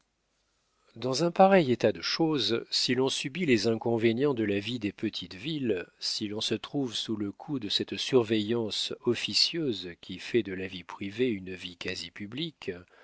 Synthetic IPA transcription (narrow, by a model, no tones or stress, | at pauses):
d̪ɑ̃zɛ̃paʁɛjet̪ad̪əʃozsilɔ̃sybilezɛ̃kɔ̃venjɑ̃d̪əlavid̪epət̪ʰit̪vilsilɔ̃sət̪χuvsuləkʰud̪əsɛt̪syʁvejɑ̃sɔfisjøzkʲʰifɛd̪əlavipχiveynvikazipyblik